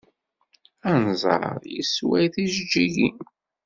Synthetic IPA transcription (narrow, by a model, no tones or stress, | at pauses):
ænzˤɑ̰ɾˤjḭswæjθiʒd͡ʒːiʝi